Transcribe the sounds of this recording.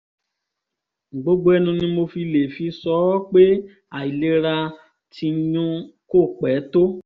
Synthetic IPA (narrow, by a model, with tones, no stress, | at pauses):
ɡ͡bo˨˦ɡ͡bo˦ɛ˦nũ˧nĩ˧˦mo˧fi˧le˨fi˧sɔ˦k͡pe˦ | a˨i˨le˦ɾa˧ | tʰi˧˦ɲũ˦ko˦˨k͡pɛː˨˦to˦